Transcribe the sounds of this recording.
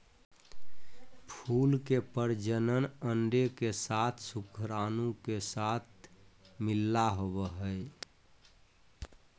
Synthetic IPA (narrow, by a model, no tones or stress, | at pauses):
pʰulkepəɾd͡ʒənənəɳɖekesat̪ʰsukʰɾanũkesat̪̚ʰmilːaɦobəɦəe